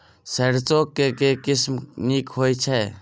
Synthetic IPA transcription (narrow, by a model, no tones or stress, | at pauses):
səɾt͡ʃokːekekɪsmnikɦojt͡ʃʰɛ